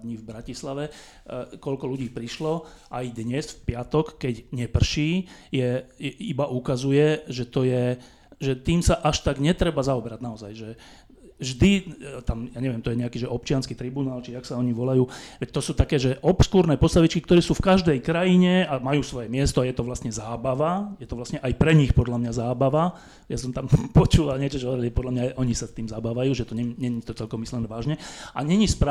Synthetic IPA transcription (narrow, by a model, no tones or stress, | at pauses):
d̪ɲivbɾacislaʋɛ | kɔlkɔluɟiːpɾiʃlɔ | ʔajd̪ɲɛsfpɪat̪ɔkːɛɟɲɛpr̩ʃiːjɛjɛibaʔukazujɛʒɛt̪ɔjɛ | ʒɛt̪iːmsaʔaʃt̪aɡɲɛt̪ɾɛbazaɔbɛɾaɟnaɔza̰jʒɛ | vʒd̪it̪amjaɲɛʋɪɛmt̪ɔjɛɲɛakiːʒɛʔɔp̚t͡ʃɪanskiːt̪ɾibunaːlt͡ʃiaksaɔɲiʋɔlajuːʋɛct̪ɔsuːt̪akɛːʒɛʔɔpskuɾnɛːpɔst̪aʋit͡ʃkikt̪ɔɾɛːsuːfkaʒd̪ɛjkɾajiɲɛamajuːsʋɔjɛmɪɛst̪ɔajɛt̪ɔʋlasɲɛzaːbaʋajɛt̪ɔʋlast̪ɲɛʔajpɾɛɲixpɔd̪lamɲazaːbaʋa | jasɔmt̪ampɔt͡ʃuːʋalɲɪɛt͡ʃɔt͡ʃɔɦɔʋɔɾiliʒɛpɔd̪lamɲaʔɔɲisat̪iːmzabaːʋajuːʒɛt̪ɔɲɛɲɛɲit̪ɔt͡sɛlkɔmislɛnʋaːʒɲɛʔa̰ɲɛɲispɾa